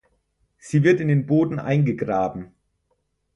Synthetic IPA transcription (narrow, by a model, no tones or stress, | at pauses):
z̥iːvɪɐtɪndeːnboːdn̩ʔa̰ɪnɡəɡʁaːbm̩